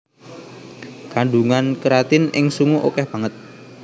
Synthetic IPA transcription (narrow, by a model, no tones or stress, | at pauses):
kaɳɖuŋankəɾat̪ɪnɪŋsuŋuʔokɛhb̥a̤ŋət̪̚